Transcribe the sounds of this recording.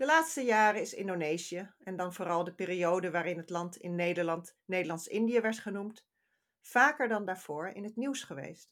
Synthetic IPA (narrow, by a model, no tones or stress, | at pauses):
d̥əlaːtstəjaːɾəɪsɪ̰ndonejziəɛndɑnvʊːrɑlˠdəpɪːriowdəʋaːɾɪnɦətlɑntɪ̰nːejdəɹlɑntnejdəlɑntsɪndijəʋɛɹtχənumt | faːkəɹdɑndaːɹv̥ʊːɹɪ̰nɦətniwsχəʋḛjst